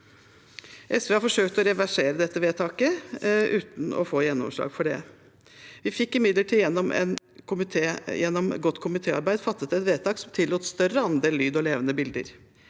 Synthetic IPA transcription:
ʔɛsʋeːhɑɾfɔʂøːkt̪ɔɾɛʋæʂeːɾəd̪ɛt̪ːəʋeːt̪ʰɑːkəʔʉːt̪n̩ɔ̰foːjɛnːɔ̰mʂɭɑ̰ːɡfɔɖɛ̰ | ʋɪfɪkːɪmɪd̪ləʈʰiːjɛnːɔmɛ̰n | kʰʊmɪt̪ʰejɛnːɔmɡɔt̪ːkʰʊmɪt̪ʰeːɑ̰ɾbæɪd̪fɑt̪ːət̪ɛt̪ʋeːt̪ʰɑːksɔmt̪ʰɪlːuːt̪st̪œɾəɑnd̪eːllːyːd̪ɔleːʋənəbɪld̪ə̰ɾ

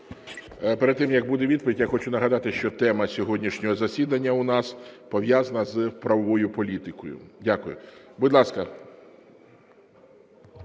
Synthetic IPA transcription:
peɾed̪̚t̪ːɪmjɐɡ̚bud̪ɛʋʲid̪̚pɔʋʲitʲjaxɔt͡ʃʊnɐɦɐd̪ɑt̪ɪʃt͡ʃɔt̪ɛmɐsʲɔɦɔdʲnʲiʃnʲɔɦɔzɐsʲid̪ɐnʲːɐʊnɑspɔʋjazɐnɐzpɾɐʋɔʋɔjʊpɔlʲit̪ɪkɔjʊ̰dʲakʊjʊ̰bʊd̪lˠɑskɐ

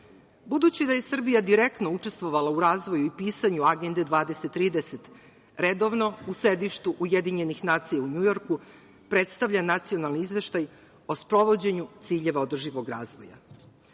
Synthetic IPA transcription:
bud̪ut͡ɕid̪aje̞sr̩bijad̪iɾekt̪no̞ut͡ʂe̞st̪ʋo̞ʋalauɾaːzʋo̞juipiːsaɲuaɡe̞nd̪ed̪ʋaːd̪e̞set̪ːɾiːd̪eset̪ | ɾe̞d̪o̞ʋno̞usɾe̞d̪iʃt̪uʔuje̞d̪iɲe̞nixnaːt̪sijauɲujo̞ɾku | pɾe̞t̪st̪aʋʎanat̪sijo̞nalˠniizʋe̞ʃt̪aj | o̞spɾo̞ʋo̞d͡ʑe̞ɲut̪siːʎe̞ʋao̞d̪r̩ʒiʋo̞ɡɾaːzʋo̞̰ja̰

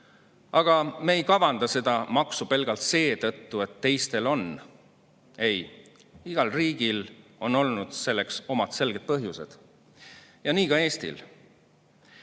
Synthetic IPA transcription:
ɑɡ̥ɑmeːjkɑvɑnd̪̥ɑse̞d̪̥ɑmɑksupe̞lɡ̥ɑlt̪se̞ːt̪ɤt̪ːue̞t̪ːe̞jst̪e̞lo̞n | e̞j | iɡ̥ɑlriːɡ̥ilo̞no̞lnud̪̥se̞lːe̞kso̞mɑt̪se̞lɡ̥e̞d̪̚pɤɦjuse̞̰d̪̥ | jɑniːkɑe̞ːst̪ḭl

